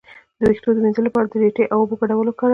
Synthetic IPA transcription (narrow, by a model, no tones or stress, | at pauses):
d̪̥əɾixt̪od̪əminzəlapɑɾad̪əɖeʈeʔawoboɡaɽawəlokɑɾ